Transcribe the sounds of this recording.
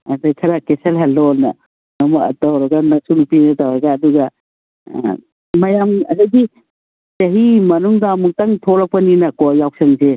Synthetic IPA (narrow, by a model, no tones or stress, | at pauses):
ɐdajkʰɐɾakeselɦalɔlnɐ̰ | nɐmukɐ̰tawɾɐɡanɐsunupinɐtawɾaɡaːduɡɐ | mɐjamɐdajɡi | t͡ʃɐɦimɐnuŋdamuk̚taŋtʰoɾak̚pɐninɐkɔjawk̚sɐŋze